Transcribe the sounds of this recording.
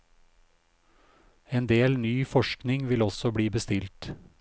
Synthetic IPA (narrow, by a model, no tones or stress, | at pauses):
eːnd̪eːlnyːfɔʃknɪŋʋɪlɔsɔbɽiːbəst̪ɪlt̪